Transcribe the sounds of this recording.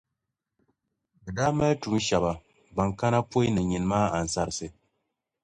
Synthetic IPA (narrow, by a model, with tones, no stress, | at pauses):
bɨ˨da˦mɛ˦ltu˨˦ʃa˨ba˨ | ba˨ŋka˦na˦po˦jnɨ˨ɲi˨nmaː˦a˨n̩˨sa˨ɾsɨ˨